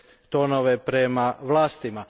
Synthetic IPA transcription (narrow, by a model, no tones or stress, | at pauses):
t̪onoʋepɾemaʋlˠaːst̪ima